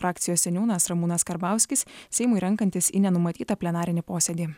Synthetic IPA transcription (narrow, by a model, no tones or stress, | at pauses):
ɾɑːkt̪sʲɪjoːsʲsʲɛnʲuːnɐsɾɐmuːnɐskɐɾbɑˑʊsʲkʲɪssʲɛɪmʊɪɾʲɛŋˑkɐnʲt̪ʲɪsḭnʲɛnʊmɐt̪ʲiːt̪ɐpʲlʲɛnɑːɾʲɪnʲɪpoːsʲɛd̪ʲiː